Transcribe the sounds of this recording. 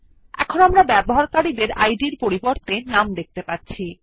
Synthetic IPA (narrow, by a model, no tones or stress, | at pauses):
ɛ̰kʰonamɾabɛboɦaɾkaɾid̪eɾa̰jɖiɾpoɾiboɾt̪enamd̪ek̚t̪epatːɕʰi